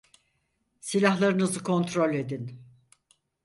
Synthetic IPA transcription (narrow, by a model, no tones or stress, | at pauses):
silʲaɦlˠaɾɯnɯzɯkʰo̞nt̪ɾo̞lʲe̞d̪in